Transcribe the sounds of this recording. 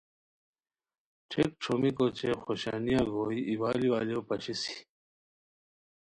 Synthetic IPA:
ʈʰek̚ʈ͡ʂʰomikot͡ɕexoɕa̰ːnijaɡoːiʔiwaːliwaːlijopɐɕisi̥

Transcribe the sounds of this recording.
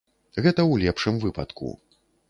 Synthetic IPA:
ɣɛt̪ɐwlʲɛpʂɨmvɨpɐ̰t̪kṵ

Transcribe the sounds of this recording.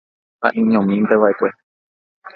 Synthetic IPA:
ha̰ʔĩɲõmĩmt̪eʋaekʷe

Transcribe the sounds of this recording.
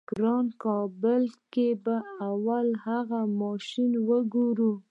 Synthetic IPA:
ɡ̥ɾɑnkɑbəlkebaawalhaɣamɑʃinwəɡuɾu

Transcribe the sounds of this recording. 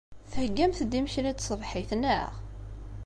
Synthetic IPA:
θhəɡːæmθd̪imçlit͡s̪sˤəvħiθnə̰ʁ

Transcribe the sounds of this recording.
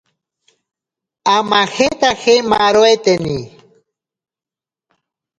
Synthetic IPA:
amaxet̪axema̰ɾoet̪eni

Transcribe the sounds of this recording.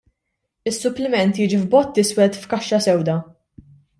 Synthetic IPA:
ɪsːʊplɪmɛnt̪jiːd͡ʒivbɔt̪ːɪswɛt̪fkɐʃːɐsɛwd̪ɐ

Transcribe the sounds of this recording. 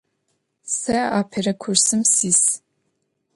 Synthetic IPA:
sɐaːpʰerɐkʷʰʊrsɨmsiːs

